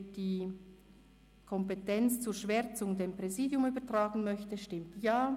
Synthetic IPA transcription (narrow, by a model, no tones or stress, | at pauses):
d̥iː | kʰɔmpetɛnt͡st͡suːɾʃv̥ɛɾt͡sʊŋdeːmpʁeziːdjʊmyːbətʁ̥aːɡən̩mœçtəʃtɪmtjaː